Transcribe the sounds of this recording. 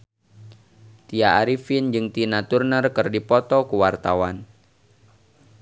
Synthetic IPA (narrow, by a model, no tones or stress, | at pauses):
t̪iaːɾifind͡ʒɨŋt̪inat̪urnərkɨrdipɔt̪ɔkuwart̪awan